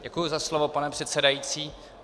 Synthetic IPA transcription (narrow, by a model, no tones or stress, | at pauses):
ɟɛkujuzaslovopanɛpr̥ɛt̪sɛdajiːt͡siː